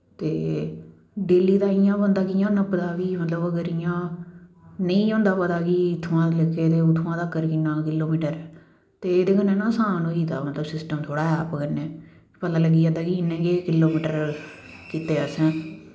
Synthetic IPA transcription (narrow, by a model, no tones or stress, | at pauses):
t̪eː | ɖeːliːd̪aːɪjãːbə̃ːnd̪aːkijãːnãːpəd̪aːkiːmət̪ləbəɡəɾɪjãː | nəĩːõːnd̪aːpəd̪aːkiːɪt̪ʰːʋãːləkʰːeːt̪eːʊt̪ʰːʋãːd̪aːkəɾkiːnãːkɪlːoːmiːʈəɾɛː | t̪eːeːd̪eːkənːẽːnãːsaːnoːiːt̪a̰ːmət̪ləbsɪsʈəmt̪ʰoːɽaːɛːpkənːeː | pət̪ãːləɡːiːaːd̪aːkinẽːkeːkɪloːmiːʈəɾ | kiːt̪eːəsɛ̃ː